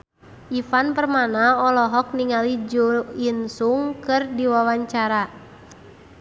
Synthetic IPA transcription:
ʔifanpərmanaɔlɔɦɔk̚niŋalid͡ʒuinsuŋkɨrdiwawaɲt͡ʃaɾa

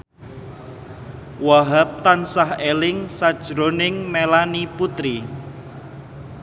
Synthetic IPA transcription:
waɦap̚t̪ansaɦelɪŋsad̥ʒ̥ɾonɪŋmelaniput̪ɾi

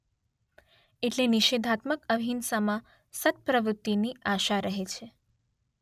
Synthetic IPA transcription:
eʈleniʃed̪ʱat̪məkəbʱinsamã | sət̪̚pɾəʋɾʊt̪ːiniaʃaɾəɦet͡ʃʰe

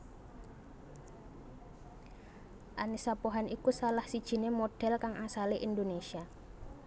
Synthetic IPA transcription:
ʔanisapoɦanikusalahsid̥ʒ̥i̤nemoɖ̥ɛ̤lkaŋʔasaleʔind̪onesia

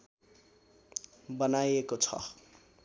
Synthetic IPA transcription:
bʌnajekot͡sʰʌ̰

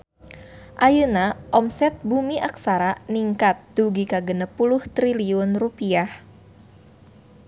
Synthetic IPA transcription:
ʔajənaʔɔmsɛt̪̚bumiʔak̚saɾaniŋkat̪̚d̪̥uɡikaɡənəpulʊht̪ɾiliʊnrupiah

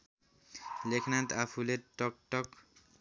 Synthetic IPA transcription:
lekʰnant̪apʰuleʈɔk̚ʈɔk

